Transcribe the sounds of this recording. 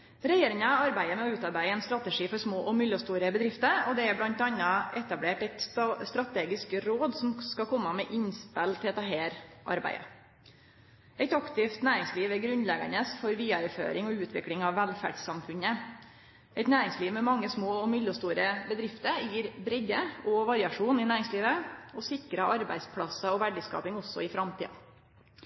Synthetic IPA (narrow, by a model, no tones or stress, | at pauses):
ɾɛjeːɾɪŋɑɑɾbæɪəmɛɔʉːt̪ɑɾbæɪəɛːnst̪ɾɑt̪əʂiːfɔɾsmoːʔɔmʏlːɔst̪uːɾəbəd̪ɾɪft̪əɾɔd̪ɛæɾblɑnt̪d̪ɛɑnːɑɛt̪ɑbleːʈæɪt̪st̪ɾɑt̪ʰeːɡɪskɾoːd̪sɔmskɑkʰɔmːɑmɛʔɪnspɛlt̪ʰɪlɛt̪ɑɦeːɾʔɑ̰ɾbæ̰ɪə̰ | ɛɪt̪ɑkt̪ɪft̪næːɾɪŋsliːʋɛɡɾʉnlɛɡə̰ɳəsfɔɾʋiːɑɾəfø̰ːɾɪŋɔʉːt̪ʰʋɪklɪŋɑʋːælfæ̰ɖsɑmfʉnə | ɛɪt̪næːɾɪŋsliːʋmɛmɑŋːəsmoːɔmʏlːɔst̪uːɾəbəd̪ɾɪft̪əɾjiːɾbɾɛɟəɔʋɑɾɪɑʂuːnɪnæːɾɪŋsliːʋəɔsɪkɾəʔɑɾbæ̰ɪd̪spʰɽɑsəɔʋæɖɪskɑ̰ːpɪŋɔsːɔ̰ɪfɾɑmt̪ʰḭːɑ̰